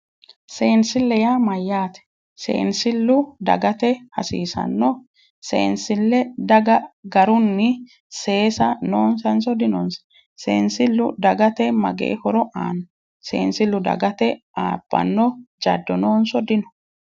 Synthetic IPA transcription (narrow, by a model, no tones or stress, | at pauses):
seːnsɪlːɛjaːmɐjːaːt̪ɛ̥ | sḛːnsɪlːʊd̪ɐ̰ɡɐt̪ɛhɐsḭːsɐ̰nːɔ | sḛːnsɪlːɛd̪ɐɡɐɡɐɾʊnːɪ | se̞ːsɐnoːnsɐnsɔd̪ɪnɔns | sḛːnsɪlːʊd̪ɐɡɐt̪ɛmɐ̰ɡḛːhɔɾɔʔa̰ːnɐ | sḛːnsɪlːʊd̪ɐ̰ɡɐt̪ɛʔaːbːɐ̰nːɔd͡ʒɐ̰d̪ːɔnoːnsɔd̪ɪnɔ̥